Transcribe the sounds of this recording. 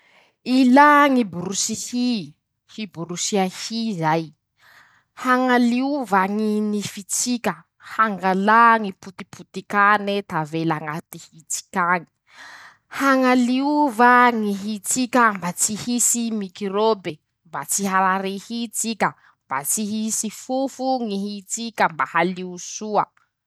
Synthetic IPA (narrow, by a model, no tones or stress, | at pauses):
ilaŋibuɾusihi | hibuɾusiahizaj | haŋaliuvaŋinifit͡sikʲə | haŋɡalaŋiput̪ipʰut̪ikanet̪avelaŋat̪ihit͡si̥kʲaŋi̥ | haŋaliuvaŋiɦit͡sikʲambat͡sihisimikiɾobe | mbat͡siɦaɾaɾehit͡sikʲə | mb̥at͡siɦisifufuŋiɦit͡sikʲəmbahaliusuə̰